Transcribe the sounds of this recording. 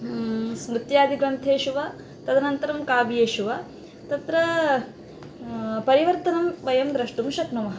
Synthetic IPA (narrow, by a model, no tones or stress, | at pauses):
smɾut̪jaːd̪ʱiɡɾɐnt̪ʰeːʃuʋa | t̪ɐd̪ɐnɐnt̪ɐɾɐmkaːbijeːʃuʋa | t̪ɐt̪ɾɐ | pɐɾiʋɐɾt̪ɐnɐmʋɐjɐmd̪ɾɐʂʈumʃɐknɐmɐɦɐ